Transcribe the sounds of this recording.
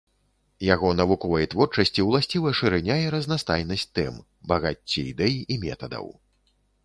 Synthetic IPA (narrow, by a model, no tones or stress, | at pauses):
jaɣɔnɐvukɔvɐjt̪vɔrt͡ʂɐsʲt͡sʲiwlˠasʲt͡sʲivɐʂɨɾɛnʲajɛɾɐznast̪ajnɐsʲtʲt̪ɛm | bɐɣat͡sʲːiid̪ɛjiʔimʲɛ̰t̪ɐd̪ɐ̰w